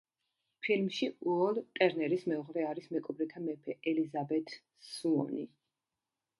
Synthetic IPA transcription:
pʰilmʃiuɔlˠt̪ʼɛɾnɛɾismɛɔʁɾɛaɾismɛkʼɔbɾit̪ʰamɛpʰɛʔɛlizabɛt̪ʰ | suɔ̰ni

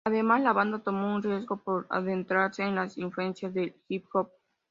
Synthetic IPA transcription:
aðe̞maslaβand̪at̪o̞mounrje̞zɣo̞poɾa̰ðe̞nt̪ɾaɾse̞ːnlasiɱflue̞nsjazðe̞lxipxop̚

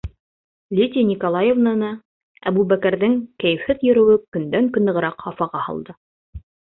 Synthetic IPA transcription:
lʲit̪ʲinʲikolˠɑjevnanɑ | æ̰buβækæɾðɘŋkæjɘ̆fhɘðjɵ̆ɾɘ̆wɘkɵ̆nd̪æŋkɵ̆nɤ̆ʁɤ̆ɾɑqhɑfɑʁɑhɑ̰lˠd̪ɤ

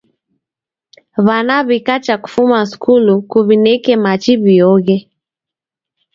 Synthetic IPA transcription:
βanaβikat͡ʃaku̥fumaskulukuβinɛkɛmat͡ʃiβiɔɣɛ

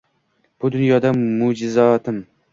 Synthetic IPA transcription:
b̥ʊd̪ʊnjɒd̪amʊd͡ʒɪzɒt̪ʰɪm

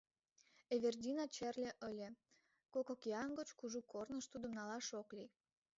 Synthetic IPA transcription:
eβʲerdʲinɑt͡ɕerlʲeʔəlʲe | kokokiɑnɡot͡ɕkuʒukʰornəʃt̪ud̪ə̆mnɑlɑʃoklij

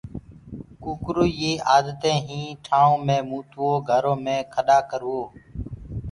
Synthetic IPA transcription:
kuːkɾuːjeːʔaːd̪t̪ẽːɦĩːʈʰaːõːmẽːmuːt̪oːɡʱəɾõːmẽːkʰəɗaːkəɾoː

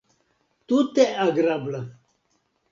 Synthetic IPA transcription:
t̪ut̪eɐɡɾablɐ

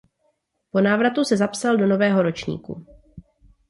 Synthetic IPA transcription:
po̞naːvɾat̪usɛzapsaldo̞no̞vɛːɦo̞ɾo̞t͡ʃɲḭːkṵ

